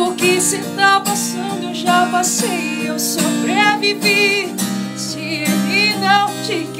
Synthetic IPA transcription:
ʊkɪsɪt̪apasɐ̃nd̪ʊʒapasejewsobɾeviveɾ | s | ɪeminɐ̃w̃t͡ʃik

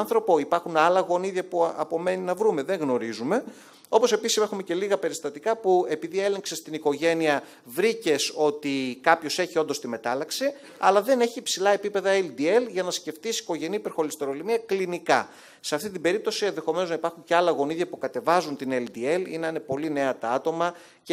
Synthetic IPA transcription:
nθɾo̞po̞ipɐɾxunɐlɐɣo̞niðʝɐpuɐpo̞me̞ninɐvɾume̞ðe̞ŋɣno̞ɾizume̞ | o̞po̞se̞pisisexume̞ce̞liɣɐpe̞ɾist̪ɐt̪ikɐpue̞piðie̞le̞ŋkse̞st̪iniko̞ʝe̞niɐ | vɾice̞so̞t̪ikɐpço̞se̞çio̞nd̪o̞st̪ime̞t̪ɐlɐksi | ɐ̰lɐðe̞ne̞çipsilɐe̞pipe̞ðɐeld̪ie̞lʝɐnɐsce̞ft̪isi̥ko̞ʝe̞nipe̞ɾxo̞list̪e̞ɾo̞limiɐklinikɐ | seɐft̪it̪imbe̞ɾip̚t̪o̞sie̞nðe̞xo̞me̞noznɐipɐɾxuɲce̞ɐlɐɣo̞niðʝɐpukɐt̪e̞vɐzunt̪ineld̪ie̞lḭnine̞po̞line̞ɐt̪ɐɐt̪o̞mɐ | c

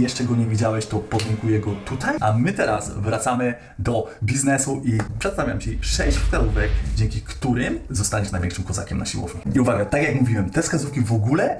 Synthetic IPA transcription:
jɛʂt͡ʂɛɡɔɲɛvʲid͡ʑawɛɕt̪ɔpɔdɲɛŋkujɛɡɔt̪ut̪ajʔamɘt̪ɛɾa̰svɾat̪samɘ | d̪ɔbʲiznɛsuʔipʂɛt̪st̪avʲja̰mt͡ɕɛʂɛɕt͡ɕfklaɾuvɛɡd͡ʑɛŋkʲikt̪uɾɪmzɔst̪aɲʲinajvʲɛ̃kʂɘmkɔza̰kʲɛmnaɕiwɔ̰vɲiiuvaɡjat̪akjakmuvʲiwɛmt̪ɛfskazufkʲivɔɡulɛ

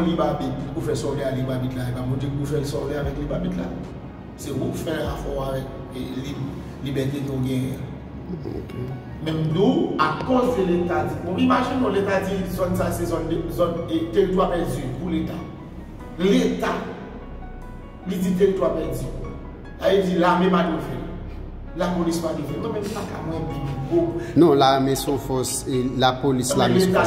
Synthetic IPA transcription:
libabit̚ufɛsɔvlealibabitlaebamɔ̃t̪ekufɛlsɔvʁeavɛklibabitla̰ | sewukfɛ̃afɔavɛk̚ | li | libɛtekoɡɛ̃jɛ̰̃ | mɛ̃mduakɔ̃zeletad͡zikɔ̃libaʃĩnɔ̃letad͡zizɔ̃nsasezɔnzɔnteɣituapɛd͡zipuleta | leta | lid͡zit̬eɣituapɛd͡zi | sajed͡zilamɛ̃padofɛ̰l | lapolispalivɛnɔ̃mɛ̃mipakamw̃ɛ̃bĩbiboknɔ̃lamɛsɔ̃fɔselapolislãmleta

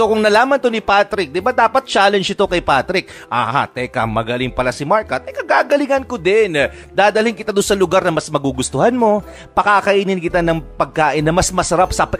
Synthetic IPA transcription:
so̞kʊŋnɐlaːmɐnt̪onɪpat̪ɾɪk̚d̪ɪbad̪aːpɐt̪̚t͡ʃaːlɛnd͡ʒɪt̪okɐjpaːt̪ɾɪk̚ʔaːha̰t̪ɛkɐmɐɡɐlɪŋpɐlasɪmaɹkɐt̪ɛkɐɡaːɡɐlɪŋɐnkod̪ɛn | d̪aːd̪ɐlɪŋkɪt̪ad̪ʊnsɐlʊɡaɾnɐmɐsmɐɡuɡʊst̪ʊhanmo̞ | pɐkakɐʔiːnɪnkɪt̪anɐŋpɐɡ̚kaːʔɪnːɐmɐsmɐsɐɾapsɐp

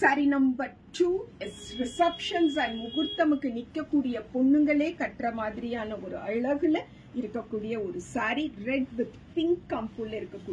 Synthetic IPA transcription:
sɐɾinɐmbɐɾ | ʈuːɛɾɪsɐpʂɐnsɐnmʊɣɯɾt̪ːɐmɯkːɯnɪkːɐkːuːɽɪjɐpɔɳːɯŋɡɐɭeːkɐʈrɐmaːðɪɾɪjaːnɐɔɾɯɐɭɐɣɯl | ɪɾɯkːɐkːuːɽɪjɐɔɾɯsaːɾiɾɛɖʋɪðpɪŋkːɐmpulɪɾɯkːɐkːuː

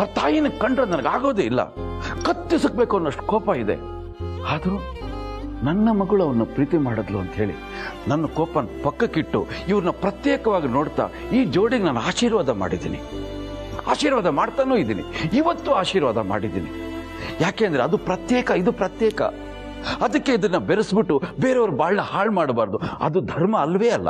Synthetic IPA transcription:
t̪aːjinɐɡkɐɳɖɾoːd̪nɐnɐɡaːɡoːd̪eilːɐ̰kɐt̪ːisuk̚beːkunːɐʂʈkɔːpɐid̪ḛ | aːd̪ɐɾuː | nɐnːɐmɐɡuɭuɐʋɐɾnupɾiːt̪imaːɽɐd̪luɐnt̪ɦe̞ːɭḭ | nɐnːɐkɔːpɐnpɐkːɐkiʈːṵiʋɐɾnupɾɐt̪jeːkɐʋaːɡinoːɽt̪a̰ː | iːd͡ʒoːɽiɡenaːnːaːʃiːɾʋaːd̪ɐma̰ːɽid̪ḭːnḭ | a̰ːʃiːɾʋaːd̪ɐmaːɽt̪aːnoːid̪iːnḭiʋɐt̪ːuaːʃiːɾʋaːd̪ʱɐma̰ːɽid̪ḭːnḭ | jaːkeːnd̪ɐɾeɐd̪upɾɐt̪jɛːkɐid̪upɾɐt̪jɛːkɐ̰ | ɐd̪ɐkːe̞id̪ɐnːɐbeɾɐsbiʈːubeːɾɐʋɐɾubaːɭnɐhaːɭmaːɽbaːɾd̪uɐ̰d̪ud̪ʱɐɾmɐːlːʋeːɐlːɐ̰

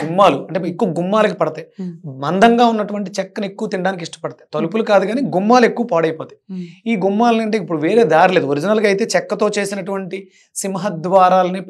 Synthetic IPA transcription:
ɡumːaːluɐɳʈeekːuʋɐɡumːaːlɐk̬ipɐɽɐt̪eːmɐnd̪ɐŋɡaːunːɐʈuʋɐɳʈ̬it͡ʃɛkːɐnekːuʋɐt̪iɳɖaːnik̬iʂʈɐ̥pɐɽɐt̪eːt̪ɐlupulukaːd̪uɡaːniːɡumːaːluekːuʋɐpaːɽɐjɐpoːt̪e̥iːɡumːaːlɐnɐɳʈ̬e̞ːipːuɽuʋe̞ːɾe̞ːd̪aːɾile̞ːd̪uoɾid͡ʒinalkɐjt̪e̞ːt͡ʃɛkːɐt̪o̞ːt͡ʃe̞ːsinɐʈuʋɐɳʈi | simɐɦɐd̪ʋaːɾaːlɐni

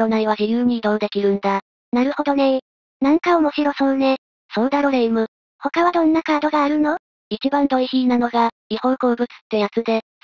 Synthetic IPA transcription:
ɾo̞naiβad͡ʑijɯːɲ̟iːd̪o̞d̪e̞kʲiɾɯ̟̃nd̪a | naɾɯ̟ho̞d̪o̞ne | nãŋkaomo̞ɕiɾo̞sõne̞ | so̞d̪aɾo̞ɾeimɯ̟ | ho̞kaβad̪õ̞nːakaːd̪o̞ɡaːɾɯ̟no̞ | it͡ɕibãnd̪oiçʲiːnano̞ɡaɲʲihõ̞ŋko̞ːbɯ̟t͡sɨ̥t̪ːe̞jat͡sɨd̪e̞

